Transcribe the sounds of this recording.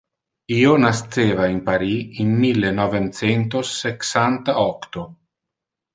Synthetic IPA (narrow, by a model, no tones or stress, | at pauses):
iːonast̪seːvaimpaɾiinmilːenɔvemt̪sent̪̬osːeksant̪aɔkt̪o